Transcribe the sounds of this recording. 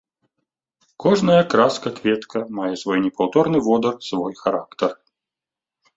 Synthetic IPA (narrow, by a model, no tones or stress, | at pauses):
kɔʐnɐjɐkɾaskɐkvʲɛt̪kʰɐmajɛsvɔjnʲɛpawt̪ɔrnɨvɔd̪ɐrsvɔjxaɾakt̪ɐr